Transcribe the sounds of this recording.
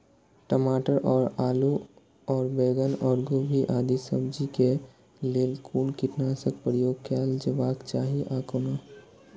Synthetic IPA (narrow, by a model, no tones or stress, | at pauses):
ʈəmaːʈəɾɔːɾaːlu | ɔːɾbeːɡənɔːɾɡoːbʱiʔaːd̪isəbd͡ʒike | leːlkʰuːnkɪʈnasək̚pəɾjoːɡkʰaːld͡ʒəʋaːkt͡ʃaːɦiʔaːkona